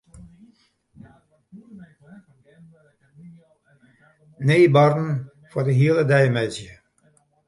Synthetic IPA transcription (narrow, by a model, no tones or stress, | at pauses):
neːbɑrdn̩ | fʊrdəɦiəlˠədɛjmɛzjə